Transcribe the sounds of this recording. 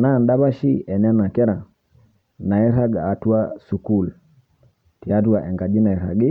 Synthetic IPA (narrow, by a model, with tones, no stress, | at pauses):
na˦˨nda˦βa˦ʃi˦ɛ˨nɛ˦na˨kɛ˦ɾa˨ | na˨ɛ˦ɾa˦ɡaː˨twa˦su˨ku˦˨l | ti˨a˦t̬u˦a˨ʔɛ˨ŋɡa˨d͡ʒi˦na˨ɛ˨ɾa̰˨ɡi˦